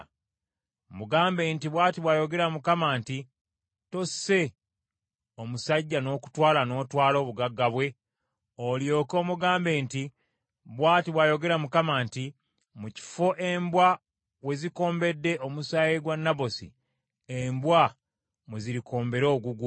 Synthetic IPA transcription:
muɡaːmbe̞ːntiβwaːtiβwajo̞ɡe̞ɾamukamaːnti | to̞se̞ | o̞musaɟːano̞ːku̥twaːlano̞ːtwaːlo̞ːβuɡaɡːaβwe̞ | oljo̞ːko̞ːmuɡaːmbe̞ːnti | βwaːtiβwajo̞ɡe̞ɾamukamaːnti | muci̥fo̞ʔe̞mbwa | we̞ziko̞ːmbe̞dːe̞ʔomusaeɡwanːaβo̞sḭ | embwa | muziɾiko̞ːmbe̞ɾo̞ːɡuɡu

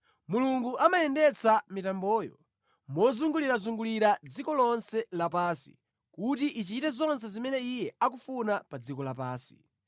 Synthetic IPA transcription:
muluŋɡuʔamajɛndɛt͡sʰamitambɔːjɔ̰ | mɔzuŋɡuliɾazuŋɡuliɾad͡zikɔlɔnsɛlapaːsi̥̰ | kut̬iʔit͡ʃitɛzɔns̬ɛzimɛnɛijɛak̬ufunapad͡zikɔlapaːsi̥̰

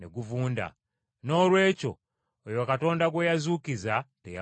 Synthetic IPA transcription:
eɡuvuːnda̰ | no̞ːlwe̞ːco̞ | ojokato̞ːndaɡwejazuːkizateja

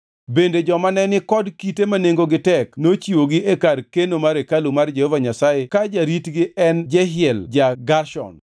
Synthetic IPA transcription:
bended͡ʒɔmanɛnɪkɔdkitemaneŋɡoɡɪtɛknot͡ʃiwoɡɪʔekarkenomaɾekalumard͡ʒehɔvaɲasajekad͡ʒaɾitɡɪɛnd͡ʒɛɦɪɛld͡ʒaɡarʃɔ̰n

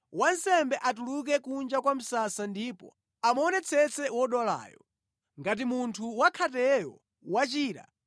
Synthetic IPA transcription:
wansɛmbɛʔatuluk̬ɛkund͡ʒakwam̩sasandipɔ̰ | amɔnɛt͡sʰɛt͡sɛwɔɗɔla̰ːjɔ | ŋɡat̬imuntʰuwakʰatɛjɔ̰ | wat͡ʃiːɾa̰

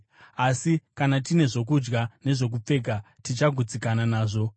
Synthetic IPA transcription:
asikanatine̞ʐo̞k̬ud͡ʒɡane̞ʐo̞k̬up͡fe̞ka | tit͡ʃaɡʱud͡zikananaːʐo̞

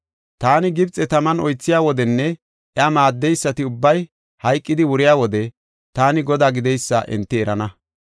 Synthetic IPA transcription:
t̪aːnɪɡɪbt͡sʼːɛt̪ɐmɐnɔjt͡sːɪjaːwɔd̪ɛnːɛ | ʔɛɐmaːd̪ːɛjsːɐt̪ɪʊbːɐj | hɐjkʼːɪd̪ɪwʊɾɪjaːwɔd̪ɛ | t̪aːnɪɡɔd̪aːɡɪd̪ɛjsːɐ̰ʔɛ̰nt̪ːɪɛɾɐnɐ

